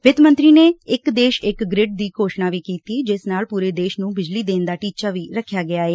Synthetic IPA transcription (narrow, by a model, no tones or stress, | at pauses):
ʋɪd̪mə̃nt̪ɾiːneːɪkd̪eːʃɪkɡɾɪɖ̚d̪iːkoːʃnaːʋiːkiːt̪iːd͡ʒɪsnaːlpuːɾeːd̪eːʃnũːbɪd͡ʒliːd̪eːnd̪aːʈiːt͡ʃaːʋiːɾəkʰːjaːɡɪjaːeː